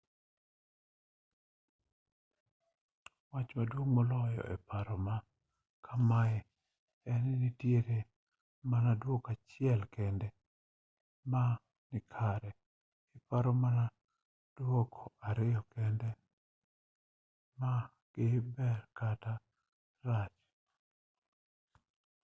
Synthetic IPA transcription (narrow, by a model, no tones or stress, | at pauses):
wat͡ʃmadwoŋmolɔjɔ̰ʔɛ̰paɾɔma | kʰamajɛ | ɛnnitjeɾe | manadwokat͡ʃɪɛlkɛndɛ | ma | nɪkʰaɾɛ | ɛpaɾɔmana | d̥wokʰɔaɾɪjɔkɛndɛ | ma | ɡ̥ɪbɛrkata | rat͡ʃ